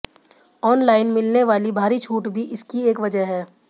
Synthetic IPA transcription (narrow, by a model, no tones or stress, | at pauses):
ɔːnlaːɪnmɪlneʋaːlibʱaːɾit͡ʃʰuːʈbʱiʔɪskieːkʋɐd͡ʒəɦɦɛː